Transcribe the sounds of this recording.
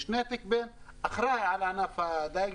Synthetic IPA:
ʃneːt̪ɪk̚beːn | ʔaxɾˤɑːʕalanafad̪aː

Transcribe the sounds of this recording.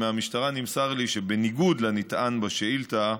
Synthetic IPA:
meamiʃtaʁanimsaʁliʃebe̞niɡud̪lanit̪ʔanbaʃeilt̪a

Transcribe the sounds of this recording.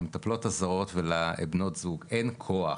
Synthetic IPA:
met̪aplo̞tazaʁo̞tvelaebno̞tzuɡenkʰoa

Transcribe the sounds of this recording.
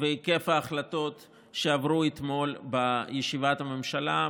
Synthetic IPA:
veike̞faːχlat̪o̞t̪ | ʃeavʁuet̪mo̞lbajeʃivat̪hame̞mʃala

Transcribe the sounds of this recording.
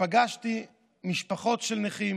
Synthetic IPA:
aɡaʃti | miʃpaχo̞tʃelneχim

